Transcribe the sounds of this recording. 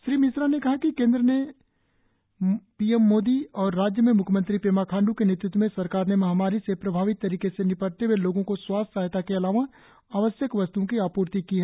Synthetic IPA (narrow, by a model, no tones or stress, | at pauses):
ʃɾiːmɪsɾanekɐɦakikẽːnd̪ɾəne | piːɛmːoːd̪iɔːɾːaːd͡ʒjəmẽmʊkʰjəmə̃nt̪ɾipeːmakʰãːɳɖukeneːt̪ɾʊt̪wəmẽsɐɾkaːɾnemɐɦaːmaːɾisepɾɐbʱaːʋɪt̪ːɐɾiːkesenɪpəɽt̪eweloːɡõkoswaːssaːɦt̪akeɐlaːʋa | aːʋəsjəkʋɐst̪uõkiaːpuːɾt̪ikiɦɛː